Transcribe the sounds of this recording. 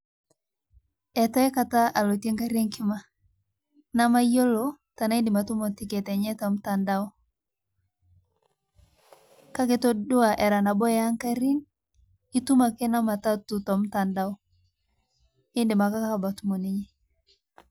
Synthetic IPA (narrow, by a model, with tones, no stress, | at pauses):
ɛ˨tɔ˦e˦ka˨ta˦ʔa˨lo˨te˦ŋka˦ɾe˦ŋki˦ma˨ | na˦ma˦i˦o˦lo˨ | ta˨na˦i˦nde˨ma˨tu˦mɔ˨ti˨ke˨tɛ˨ɲɛ˦tɔ˨m̩˦ta˨nda˦ɔ˦ | ka˦ke˨to˦do˦a˨ʔɛ˨ɾa˨na˨bɔ˦ja˦ŋka˦ɾi˦n | i˦tu˦ma˨ke˦na˦ma˨ta˦tu˨tɔ˨m̩˦ta˨nda˦ɔ˦ | e˦nde˨ma˨ka˦ka˦ka˨ba˨tu˦mɔ˨ne˦ɲe˦